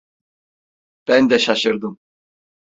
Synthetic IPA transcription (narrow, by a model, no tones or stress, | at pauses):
b̥ɛnd̪ɛʃaʃəɾd̪um